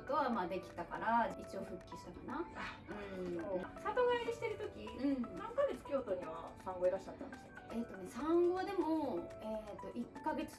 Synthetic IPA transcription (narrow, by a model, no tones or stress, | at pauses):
t̪o̞βamaːd̪e̞kʲi̥t̪aka̰ɾait͡ɕio̞ɸɯ̟kʲːiɕi̥t̪akanaɯ̟̃osat̪oɡaiɾiɕi̥t̪e̞ɾɯ̟t̪o̞kʲiɯ̟̃ɴnãŋkaɡe̞t͡sɨ̥kʲo̞ːt̪o̞ɲ̟iβa̰sãŋɡo̞eɾaɕi̥t͡ɕat̪ːãnd̪esɨ̥ḁke̞ːt̪ːo̞ne̞sãŋɡo̞ad̪e̞mo̞e̞ːt̪o̞ʔikːaɡe̞t͡sɨ̥